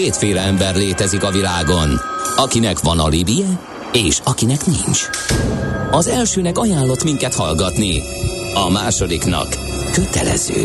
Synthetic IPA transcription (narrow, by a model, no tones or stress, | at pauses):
keːt̪feːlɛɛmbɛrleːt̪ɛzikɒvilaːɡo̞nɒkinɛkʋɒnɒ̰libijɛ | eːʃɒkinɛknḭɲt͡ʃ | ɒzɛlʃøːnɛkɒjaːlːo̞t̪miŋkɛt̪hɒlɡɒt̪ni | ɒmaːʃo̞d̪iknɒ̰kː | øt̪ɛ̰lɛ̰z̥ø̰ː